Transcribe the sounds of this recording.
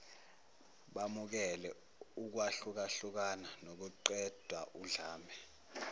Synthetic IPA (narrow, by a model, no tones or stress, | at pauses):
ɓamuk̬ɛlɛ | uk̬waɬuk̬aɬuk̬ananok̬uǃɛd̥ʱwaʔuɮaːmɛ